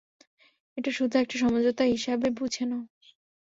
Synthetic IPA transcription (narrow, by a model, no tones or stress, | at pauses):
eʈaʃud̪ʱuɛk̚ʈaʃɔmod͡ʑot̪aɦiʃabebud͡ʑʰʱena